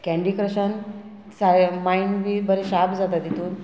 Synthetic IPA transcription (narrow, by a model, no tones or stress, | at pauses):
kɛ̃ɳɖikɾəɕən | samainbiːbəɾeɕabd͡zat̪at̪it̪uːn